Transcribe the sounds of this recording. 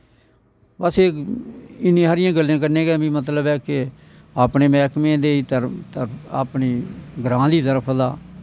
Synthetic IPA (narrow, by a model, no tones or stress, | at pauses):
baseː | ɪnːĩːɦaɾɪjãːɡəlːjãːk̬əɾnẽːɡɛːbĩːmət̪̬ləbɛːkɪ | aːpɳeːmɛːkmẽːd̪eːiːt̪əɾt̪əɾa̰ːpniːɡəɾãːd̪iːt̪̬əɾəpʰd̪aː